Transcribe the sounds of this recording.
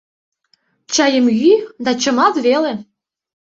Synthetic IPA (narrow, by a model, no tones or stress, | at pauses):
t͡ɕɑjəmɣyd̪ɑt͡ɕɤ̆mɑt̪βele